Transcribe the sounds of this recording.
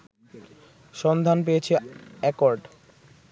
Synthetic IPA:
ʃɔnd̪ʱanp̬eet͡ɕʰeɛkɔɾɖ

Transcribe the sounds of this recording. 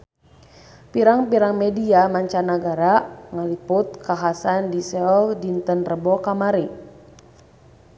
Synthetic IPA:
piɾaŋpiɾaŋmɛdiamaɲt͡ʃanaɡaɾaŋaliput̪̚kaɦasandisɛɔldint̪ənrəbɔkamaɾi

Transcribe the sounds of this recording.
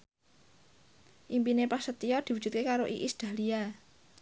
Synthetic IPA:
ʔimpinepasət̪iɔd̪̥i̤wudd͡ʒ̥ṳt̪̚kekaɾoʔiʔisd̪̥a̤lia

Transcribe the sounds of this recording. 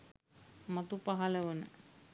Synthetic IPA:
mat̪upaɦaləʋənə̰

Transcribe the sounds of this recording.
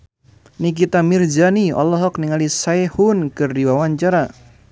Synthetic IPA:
nik̬it̪amird͡ʒaniɔ̰lɔɦɔkniŋalisaehunkɨrdiwawaɲt͡ʃaɾa

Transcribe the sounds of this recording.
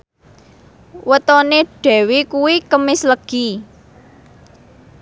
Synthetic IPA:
wət̪ɔneɖ̥ɛ̤wekuwikəmɪsləɡ̥i

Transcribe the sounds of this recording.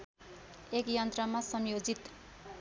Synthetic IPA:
ekjʌnt̪rʌmasʌmjod͡zit̪

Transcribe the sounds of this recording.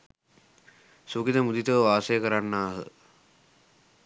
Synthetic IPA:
sukit̪əmud̪it̪əʋʋaːsəjəkəɾanːaːɦə̰

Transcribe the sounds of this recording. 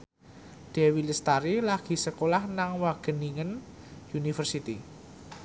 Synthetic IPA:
d̪̥ɛ̤wiləst̪aɾilaɡ̥i̤səkolahnaŋwaɡ̥ə̤niŋən | junifərsit̪i

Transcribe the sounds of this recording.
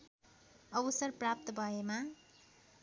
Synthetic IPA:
ʌbʌsʌrprap̚t̪ʌbʱʌema

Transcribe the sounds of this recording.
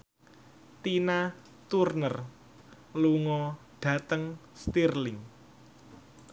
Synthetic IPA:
t̪ina | t̪urnər | luŋɔ | ɖ̥ä̤t̪əŋst̪irlɪŋ

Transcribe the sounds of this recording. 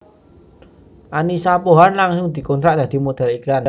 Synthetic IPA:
ʔanisapoɦanlaŋsʊŋd̪̥i̤kɔnt̪ɾaʔd̪̥a̤d̪̥i̤mod̪̥a̤liklan

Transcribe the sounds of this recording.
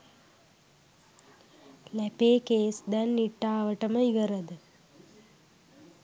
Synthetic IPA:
læpeːkeːsd̪ɛnːiʈːaːʋəʈəməiʋəɾəd̪ə

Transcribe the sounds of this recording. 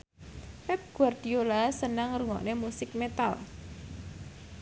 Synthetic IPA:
pɛp̚ɡ̥uard̪̥iolasənaŋruŋɔ̰ʔnemusɪk̚met̪a̰l

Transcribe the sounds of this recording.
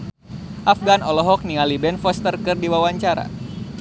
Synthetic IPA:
ʔafɡanɔlɔɦɔk̚nialibɛnfɔst̪ərkɨrdiwawaɲt͡ʃaɾa̰

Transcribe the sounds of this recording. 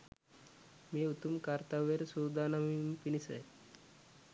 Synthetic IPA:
miːut̪umkaɾt̪aʋeɾsuɾd̪ʱanamimpinisə̰j

